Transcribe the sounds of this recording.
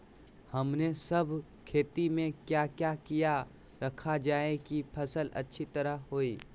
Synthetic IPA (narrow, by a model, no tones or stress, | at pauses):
hɐmnesɐbʱ | kʰeːt̪imẽkjaːkjakija | ɾɐkʰad͡ʒaːekipʰɐsəlɐ̰tːʃʰit̪ɐɾəɦɦoːiː